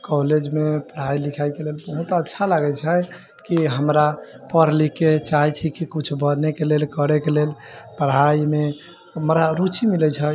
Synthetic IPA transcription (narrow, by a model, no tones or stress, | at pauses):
koled͡ʒmepəɾ̤ailikʰajkelelbəɦut̪ətːʃʰalaɡɛt͡ʃʰəj | kiɦəmɾa | pəɾliket͡ʃaɦɛt͡ʃʰikikut͡ʃʰbənekelelkəɾekelel | pəɾ̤aime | mɾaɾut͡ʃimilɛt͡ʃʰə